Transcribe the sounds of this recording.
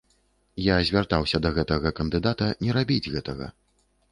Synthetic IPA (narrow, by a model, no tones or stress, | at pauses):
jazʲvʲart̪awsʲɐd̪ɐɣɛt̪ɐɣɐkɐnd̪ɨd̪at̪ɐnʲɛɾabʲid͡zʲɣɛt̪ɐɣɐ̰